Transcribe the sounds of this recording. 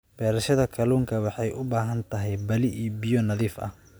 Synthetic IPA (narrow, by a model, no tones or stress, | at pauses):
b̥ɛːɾɐʃɐðɐkʰɐluːŋkʰɐwɑħɑjʔʊbaːɦɐnt̪ʰɐɦɛjbɐlɪʔiːbijɔnɐðiːfɐ̰h